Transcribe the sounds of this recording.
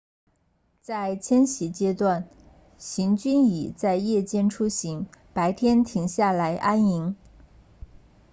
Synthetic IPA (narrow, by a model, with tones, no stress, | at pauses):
t͡sa˥˩ɪt͡ɕʰjɛ˥nɕi˧˥t͡ɕjɛ˥t̪wa˥˩n | ɕi˧˥ŋt͡ɕy˥ni˨˩t͡sa˥˧ɪjɛ˥˩t͡ɕjɛ˥˧nʈ͡ʂʰu˥ɕi˧˥ŋpa˧˥ɪt̪ʰjɛ˥nt̪ʰi˧˥ŋɕja˥˩la˧˥ɪʔa˥ni˧˥ŋ